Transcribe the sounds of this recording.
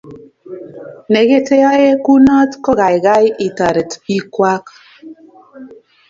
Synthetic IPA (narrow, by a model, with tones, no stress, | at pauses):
ne˨ɣe˦te˦jɔ˦e˦ku˦nɔ˦tkɔ˦ɣa˨jɡa˦jʔi˨ta˨ɾe˨ti˦kwa˦k